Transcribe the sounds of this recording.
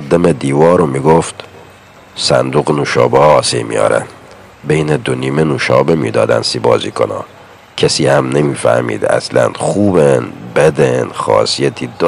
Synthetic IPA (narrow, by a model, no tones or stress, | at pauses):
d̪emed̪iːvɒːɾomiːɡoft̪ | sæ̰nd̪uːɣnuːʃɒːbeːsejmḭjɒ̰ːɾæ̰n | bejned̪oniːmenuːʃɒːbemḭːd̪ɒːd̪æ̰nsiːbɒ̰ːzḭːkʰonɑ̰ː | kʰesiːhæmnemiːfæ̰hmḭːd̪æ̰slæ̰nxuːbenbed̪enxɒ̰ːsijæt̪ʰiːd̪